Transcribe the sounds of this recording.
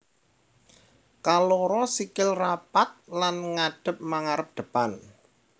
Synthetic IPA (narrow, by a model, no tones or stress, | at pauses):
kalɔɾɔsikɪlrapat̪̚lanŋaɖ̥ə̤p̚maŋaɾəp̚d̪̥ə̤pan